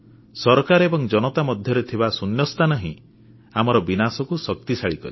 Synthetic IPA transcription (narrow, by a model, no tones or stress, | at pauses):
sɔɾkaɾebɔŋd͡ʒɔnɔt̪amɔd̪ʱjɔɾet̪ʰibasunjɔst̪ʰanɔɦĩ | amɔɾɔbinasɔkusɔk̚t̪isaɭikɔ̰ɾi